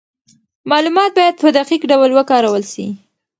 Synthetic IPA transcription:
mɑlumɑt̪̚bɑjad̪̚pəd̪aqikɖawlwəkɑɾawəlʃi

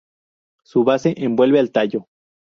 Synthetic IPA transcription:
suβase̞ʔembwe̞lβealt̪aʝo̞

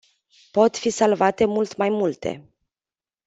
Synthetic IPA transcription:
po̞t̪fisalvat̪e̞mult̪majmult̪e̞̰

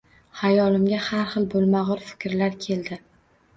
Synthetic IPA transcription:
hajɒlɪmɡʲahaɾχɨlˠbolˠmaʁʊɾfɪ̥kʲɾlaɾkʲʰe̞ld̪ɪ

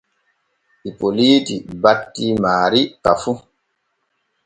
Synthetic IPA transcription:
ʔipoliːtibatːimaːɾikafu

